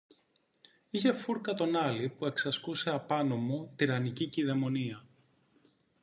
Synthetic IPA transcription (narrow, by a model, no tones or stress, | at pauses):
içe̞fuɾkɐt̪o̞nɐlipue̞ksɐskuse̞ɐpɐno̞mo̞t̪iɾɐniciciðe̞mo̞niɐ